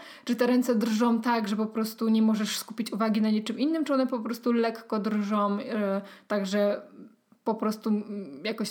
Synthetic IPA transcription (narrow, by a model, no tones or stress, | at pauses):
t͡ʂɨt̪ɛɾɛnt̪sɛd̪rʐɔmt̪aɡʐɛpɔpɾɔst̪uɲɛmɔʐɛʂskupʲit͡ɕuvaɡʲinaɲɛt͡ʂɘmʔinːɘmt͡ʂɨɔnɛpɔpɾɔst̪ulɛkːɔd̪ɾʐɔ̃mt̪aɡʐɛ | pɔpɾɔst̪ujakɔɕ